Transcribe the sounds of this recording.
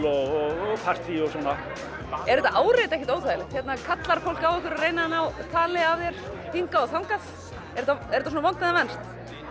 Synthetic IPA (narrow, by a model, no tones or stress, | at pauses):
ɔɣɔɣɔpʰar̥t̪iɔsɔna | ɛɾʏt̪aʔaːwreːjt̪ɛhcɪt̪oːwt̪ʰajɪlɪxt̪θçjɛt̪nakʰat̪laɾ̥fowlkawɛhkwʏɾarejnaanawt̪ʰaːlɪavðjɛɾ̥t̪iŋkaɔθawŋkas | ɛɾt̪ːaɛɾt̪as̬unavanŋt̪ɛðavɛnst̪